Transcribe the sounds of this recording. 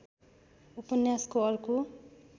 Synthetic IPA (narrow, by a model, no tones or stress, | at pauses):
upʌnjaskoʌrko